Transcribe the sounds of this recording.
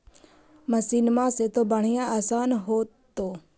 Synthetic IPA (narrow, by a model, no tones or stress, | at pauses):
məsiːnmãːset̪oːbəɳ̤ɪjãːaːsaːnɦoːt̪oː